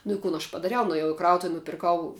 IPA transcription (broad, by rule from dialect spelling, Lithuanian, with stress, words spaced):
nʊ ɪ ˈkʊn ɐʃ pɐdɐˈrʲɛʊ nʊeːˈjɛʊ ɪ ˈkrɐʊtʊw nʊpʲɪrˈkɐʊ